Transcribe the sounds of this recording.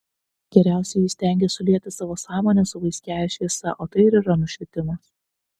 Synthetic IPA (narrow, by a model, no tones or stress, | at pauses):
ɡʲɛɾʲæˑʊsʲɛɪjɪsʲt̪ʲæˑŋʲɡʲɛsʊlʲiɛkt̪ʲɪsɑːʋoːsɑːmoːnʲɛsʊʋɐɪsʲkʲæːʋʲɛʃʲʋʲiɛsɐ̰ʔoːt̪ɐɪɪɾiːɾɐnʊʃʲʋʲɪt̪ʲɪmɐs